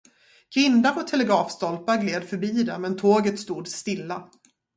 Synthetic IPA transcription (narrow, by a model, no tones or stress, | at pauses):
ɡ̥ɾɪnd̪aɾɔt̪ʰɛlɛɡɾɑːfst̪ɔlpaɾɡleːd̪fœɾbiːd̪ɛmɛnt̪ʰoːɡət̪st̪uːd̪st̪ɪlːa